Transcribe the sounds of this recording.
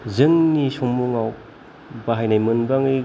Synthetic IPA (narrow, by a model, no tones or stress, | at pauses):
zɯŋnisoŋmuŋaw | baɦajnajmɯnbaŋɯ